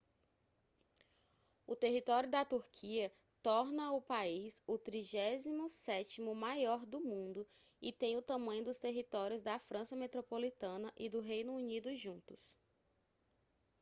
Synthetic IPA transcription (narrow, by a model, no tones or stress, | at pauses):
ʊt̪eɦit̪ɔɾjʊd̪ɐt̪uɾkʰiɐ | t̪ɔɾnɐʊpaisʊt̪ɾiʒɛzimʊsɛt͡ʃimʊmajɔɾd̪ʊmũnd̪ʊ | ɪt̪ẽj̃ʊt̪ɐ̃mɐ̃ɲ̃ʊ̃d̪ʊst̪eɦit̪ɔɾjʊzd̪ɐfɾɐ̃sɐmet̪ɾopolit̪ɐ̃nɐʔɪd̪ʊɦejnʊːnid̪ʊʒũnt̪ʊs